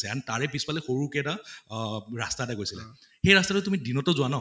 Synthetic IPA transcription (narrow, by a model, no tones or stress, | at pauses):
sɛantaɹɛpispalɛxoɹukɛta | ɹastatakojsilɛ̰ | xejɹastatʊtumidinɔtɔzʊana